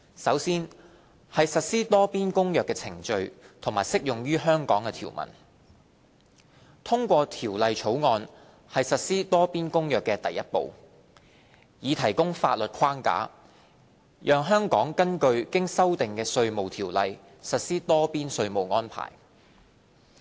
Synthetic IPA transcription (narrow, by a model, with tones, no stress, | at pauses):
sɐ˨˥wsiː˥n | hɐ˨jsɐ˨t̚siː˥t̪ɔː˥piː˥nkʊ˥ŋjœː˨kːɛː˧t͡sʰɪ˨˩ŋt͡ʃɵ˧ɥt̪ʰʊ˨˩ŋmaː˨˩jsɪ˥k̚jʊ˨˩ŋɥyː˥ɦœː˥ŋkɔː˨˥ŋkɛː˧t̪ʰḭː˨˩wmɐ̰˨˩n | t̪ʰʊ˥ŋkʷɔː˧t̪ʰiː˨˩wlɐ˨jt͡ʃʰo˨˥wŋɔː˧n | hɐ˨jsɐ˨t̚siː˥t̪ɔː˥piː˥nkʊ˥ŋjœː˨˩kːɛː˧t̪ɐ˨jːɐ˥t̚po̰˨w | jiː˨˧t̪ʰɐ˨˩jkʊ˥ŋfaː˧t̚lɵ˨t̚kʰwaː˥ŋka̰ː˨˥ | jʔœː˨˧ŋɦœː˥ŋkɔː˨˥ŋkɐ˥nkɵ˧ɥkɪ˥ŋsɐ˥wt̪ɪ˨ŋkɛː˧sɵ˧ɥmo˨wt̪ʰiː˨˩wlɐ˨j | sɐ˨t̚siː˥t̪ɔː˥piː˥nsɵ˧ɥmo˨wŋɔː˥npʰa̰ː˨˩j